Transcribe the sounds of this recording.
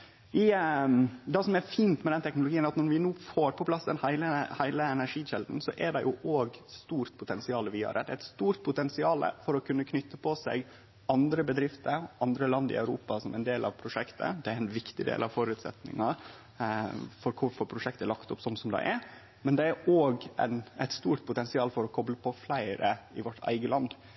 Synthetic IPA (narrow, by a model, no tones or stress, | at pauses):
ɪ | d̪ɛsɔmɛɾfiːnt̪mɛd̪ɛnt̪ʰɛknʊlʊɡiːənɑt̪nɔɾʋɪnuːfoːɾpʰɔpʰlɑsd̪ɛnhæɪləhæɪləɛnæɾʂiːɕɛld̪n̩sɔʔɛɖɛjʔʊʔoːɡst̪uːɾt̪pʰʊt̪ɛnsɪɑːləʋɪɑ̰ɾə̰d̪ɛæɪt̪st̪uːɾt̪̚pʰʊt̪ɛnsɪɑːlə̰fɔɾɔkʰʉnːəkʰnʏt̪ːəpʰɔsɛ̰ɡ | ɑnd̪ɾəbəd̪ɾɪft̪əɾɑnd̪ɾəlɑnd̪ɪ̰ɑʉɾṵːpɑsɔmʔɛɪnd̪eːlʔɑʋpʰɾʊʂɛkt̪ʰə̰d̪ɛæɾɛnʋɪkt̪ɪd̪ḛːlʔɑʋfɔɾʉt̪sɛ̰t̪nɪ̰ŋɑɾ | fɔɾkʰʊɾfɔɾpʰɾʊʂɛk̚t̪əlɑkt̪ʊpsɔmsɔmd̪ɛ̰ɪʔæɾ | mɛnd̪ɛæɾoːɡʔɛ̰næɪt̪st̪uːɾt̪̚pʰʊt̪ɛnsɪɑːlfɔɾɔkʰɔbləpʰɔflæɪɾəɪʋɔʈʰːæ̰ɪɡəlɑnd̪